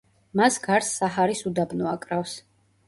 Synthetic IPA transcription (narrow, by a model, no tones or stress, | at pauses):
masɡaɾsːaɦaɾisud̪abnɔakʼɾafs